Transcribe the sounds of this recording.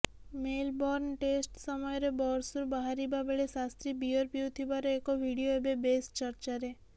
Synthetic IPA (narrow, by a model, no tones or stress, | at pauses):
melbɔɾnʈesʈsəməjɾebɔɾsuɾbəɦaɾibabeɭesast̪ɾibijəɾpiut̪ʰibaɾeekoʋʱiɽijoebebest͡ʃəɾt͡ʃaɾe